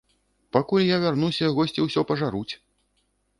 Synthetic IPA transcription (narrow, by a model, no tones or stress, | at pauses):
pakulʲjavʲarnusʲɐɣɔsʲt͡sʲiwsʲɔpɐʐaɾut͡sʲ